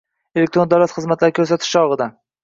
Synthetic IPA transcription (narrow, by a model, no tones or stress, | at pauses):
elek̚t̪ɾo̞nd̪awlat̪χɨzmat̪laɾɪkʲʰɵɾs̬at̪ʰɪ̥ʃɒʁɨd̪a